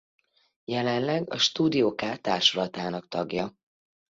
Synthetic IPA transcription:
jɛlɛnlɛɡɒ̰ʃt̪uːd̪ijoːkaːt̪aːrʃolɒt̪aːnɒkt̪ɒɡjɒ

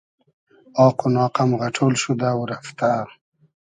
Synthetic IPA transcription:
ɑːqunɑːqamɣaʈʰolʃud̪awɾaft̪a

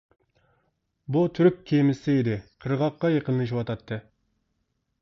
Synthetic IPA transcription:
but̪ʰʏɾkʲkʲʰːemɪsɪed̪ɪqʰəɾʁɑqːɑjɑqənəʃ̬wɑt̪ʰɑt̪ːɨ

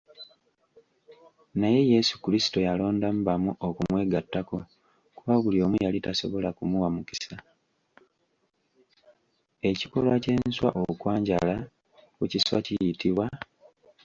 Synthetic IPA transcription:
naje̞je̞su̥kuɾisi̥to̞jalo̞ːndam̩bamuʔokumwe̞ːɡatːako̞ | kuβaβulio̞ːmujalitaso̞βo̞lakumuwamuki̥sa | e̞ciko̞lwace̞ːnswa̰ʔokwaːɲɟala | kuciswa̰cijitiβwa

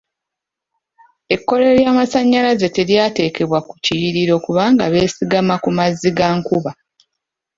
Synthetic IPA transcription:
e̞kːo̞le̞ɾjaːmasaɲːalaze̞te̞ɾjaːte̞ːke̞βwakuciɾiɾo̞kuβaːŋɡaβe̞ːsiɡamakumaziɡaŋkuβa

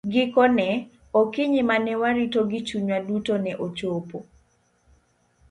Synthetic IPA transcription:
ɡɪkɔnɛ | okɪɲimanɛwaɾitoɡɪt͡ʃuɲwadutonɛʔot͡ʃopo

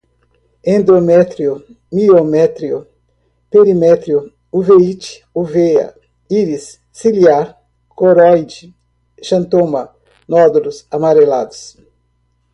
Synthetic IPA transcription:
ẽnd̪ɾomɛt̪ɾiʊ | miomɛt̪ɾiʊ | peɾimɛt̪ɾiʊ | uveit͡ʃi̥ | uveɐ̰ | iɾisː | iliaɾ | koɾɔjd͡ʒi | ʃɐ̃nt̪õmɐ | nɔd̪ulʊsamaɾela̰d̪ʊs

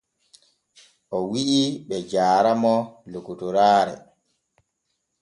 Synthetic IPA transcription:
ʔɔwiʔiɓɛd͡ʒaːɾamɔlukutuɾaːɾɛ̰

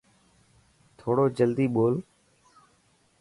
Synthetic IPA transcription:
t̪ʰoːɽoːd͡ʒəld̪iːɓoːl

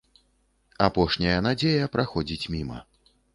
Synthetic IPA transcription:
apɔʂnʲɐjɐnad͡zʲejɐpɾaxɔd͡zʲit͡sʲmʲimɐ̰

